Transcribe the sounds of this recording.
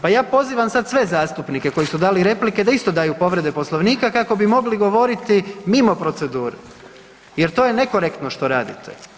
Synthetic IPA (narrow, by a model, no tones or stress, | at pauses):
pajaːpo̞ziːʋamsad̪sʋe̞zaːst̪upnike̞ko̞jisud̪aːliɾe̞plike̞d̪aist̪o̞d̪aːjupo̞ʋɾe̞d̪e̞po̞slˠo̞ʋniːkakako̞bimo̞ɡliɡo̞ʋo̞ɾit̪imimo̞pɾo̞t̪se̞d̪uːɾe | jeɾt̪o̞jene̞ko̞ɾe̞kt̪no̞ʃt̪o̞ɾaːd̪it̪ʰḛ